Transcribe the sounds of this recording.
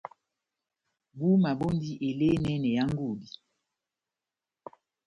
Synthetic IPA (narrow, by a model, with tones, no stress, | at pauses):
bu˦ma˨bo˦ndi˦ʔe˨le˦nɛ˦nɛ˨ja˦ŋ˦ɡu˦˨di˨